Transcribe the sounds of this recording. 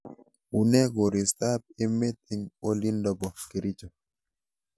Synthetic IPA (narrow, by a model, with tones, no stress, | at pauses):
u˨nɛ˦ɡo˨ɾi˨st̪a˦p̚e˦me˦t̪̚i˦ŋo˦li˦ndɔ˨bɔ˨ki˨ɾi˦t͡ʃo˨